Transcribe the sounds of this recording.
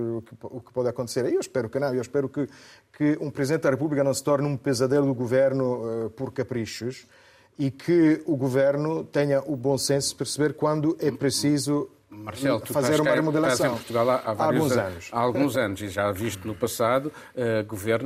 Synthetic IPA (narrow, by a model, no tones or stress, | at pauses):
kukɨ̥pɔðɐkõnt̪seɾewʃpɛɾukɨnɐ̃w̃ewʃpɛɾukɨ | kɨũpɾɨziðẽt̪̚d̪ɐʁepuβlikɐnɐ̃w̃sɨ̥t̪ɔɾnũpɨzɐðejlud̪uɣuveɾnupɔɾkɐpɾiʃuʃ | ikʰɨuɣuveɾnut̪ɛɲɐʔubõsẽsu̥pɨɾsɨβeɾkwɐ̃nd̪uʔɛpɾɨsizu | mɐɾsɛlˠt̪ufɐzeɾɾumɐɾmuðelˠɐazsɐẽpuɾt̪uɣalˠaavaalˠɾũzzɐ̃nuʃaalˠɣũzɐnuziʒaviʃt̪unupɐsaðu | ɛɡuveɾn